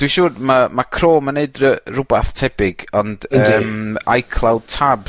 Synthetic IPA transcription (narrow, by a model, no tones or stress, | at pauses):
d̥wiʃʊːrmamakʰroːmənːeɨdərʊbaθtʰɛbɪɡ̥ɔnd̥əːma̰jkʰlˠawd̚tʰab